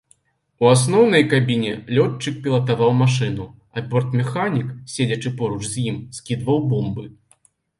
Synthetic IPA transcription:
uasn̪ɔwn̪ɐjkabʲinʲɛlʲɔt͡ʂːɨk̚pʲilˠɐt̪avawmaʂɨn̪u | ɐbʲɔrt̪mʲɛxanʲiksʲed͡zʲɐt͡ʂɨpɔɾut͡ʂzʲjimskʲid̪vɐwbɔmbɨ

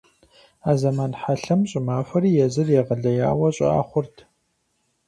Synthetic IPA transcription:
aːzɐmaːnħaɬɐmɕʼɪmaːfɐɾiːjɛzɨrjɛʁəɮɐja̰ːwɐɕʼɪ̰a̰ːχʷʊrtʰ

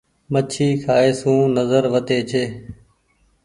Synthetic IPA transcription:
mət͡ʃʰiːkʰaːeːsũːnəzəɾʋət̪eːt͡ʃʰeː

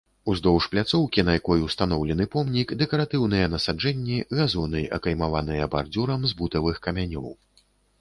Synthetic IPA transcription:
uzd̪ɔwʂplʲat̪sɔwkʲinɐjakɔjuwst̪anɔwlʲɛnɨpɔmnʲikd̪ɛkɐɾat̪ɨwn̪ɨjɐnɐsad͡ʐɛnʲːiɣazɔnɨʔɐ̰kɐjmavanɨjɐbard̪ʲuɾɐmzbut̪ɐvɨxkɐmʲanʲɔ̰w

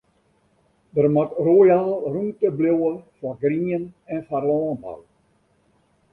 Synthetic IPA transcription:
dərmatrojaːlˠruntəblowəfaɡriːənɛnfarlɔːnba̰l

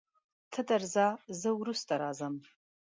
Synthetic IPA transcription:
tʰɨdarzazɨwɾustʼaɾaːzam

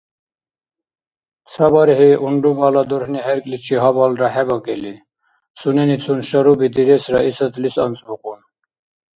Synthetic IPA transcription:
sʰabaɾɦiʔuɳɖubalad̪uɾhniɦɛɾkʼlit͡ʃʰiɦɔbɔlɾaɦɛɡɔkʼɛli | sunɛnit͡sʰunʃɔɾubid̪iɾɛsɾaʔisət̪ʰlisa̰nt͡sʼbuqʼun

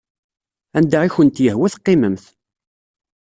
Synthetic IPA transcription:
ænd̪aʁiçənt̪jəhwæθqːɪməmθ

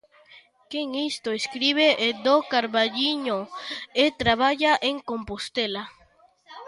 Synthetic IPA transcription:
keŋist̪oeskɾiβeʔed̪okaɾβaʎiɲoet̪ɾaβaʝaʔeŋkompost̪ela

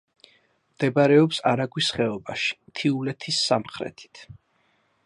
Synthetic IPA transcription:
md̪̥ɛbaɾɛɔpsaɾaɡwisχɛɔbaʃi̥mt̪ʰiulɛt̪ʰisːamχɾɛ̰t̪ʰi̥t̪ʰ

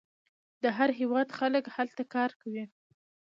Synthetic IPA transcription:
d̪əɦaɾɦewɑd̪xaləkhalt̪akɑɾkawi

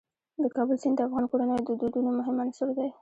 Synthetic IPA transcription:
d̪əkɑbəlsɪnd̪əafɣɑnkoɽanəjod̪əd̪ud̪unomʊɦɪmanasoɾd̪aj

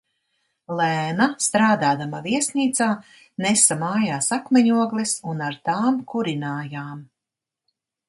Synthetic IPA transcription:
lˠæːnast̪ɾaːd̪aːd̪amaviɛsniːt̪saː | nɛsamaːjaːsakmɛɲuɔɡlˠisunaɾt̪aːmkuɾinaːjaːm

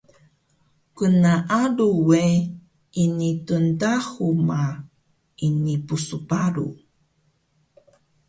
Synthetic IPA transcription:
kunaʔaɾuwe | inituntaxuma | inipusupaɾṵ

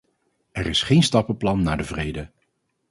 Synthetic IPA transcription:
ɛrɪsχejnstɑpəplɑnːaːɹdəvrejdə

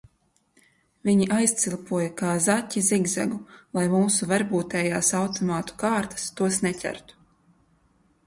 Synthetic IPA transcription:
viɲiʔajst̪silˠpuɔjakaːzatʲːiziɡza̰ɡulˠajmuːsuvaɾbuːt̪ɛːjaːsawt̪ɔmaːt̪u̥kaːɾt̪ḁst̪uɔsnɛtʲæ̰ɾt̪u̥

